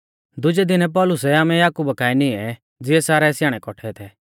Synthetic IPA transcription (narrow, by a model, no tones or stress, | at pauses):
d̪ʊd͡ʒɛd̪ɪnɛp̬ɔːlʊsɛaːmɛjaːkuːbakaːɛnɪɛ | d͡zɪɛsaːɾɛsjaːɽ̃ɛkɔʈʰɛt̪ʰɛ